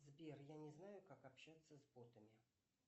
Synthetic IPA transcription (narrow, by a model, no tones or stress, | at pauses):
zbʲerjanʲɪznajʊkakɐpɕːat̪sːəzbot̪əmʲɪ